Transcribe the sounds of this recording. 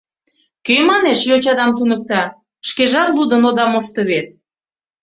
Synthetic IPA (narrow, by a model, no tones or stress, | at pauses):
kømɑneʃjot͡ɕɑd̪ɑmt̪unək̚t̪ɑ | ʃkeʒɑt̪lud̪ənod̪ɑmoʃt̪ə̆βet̪̚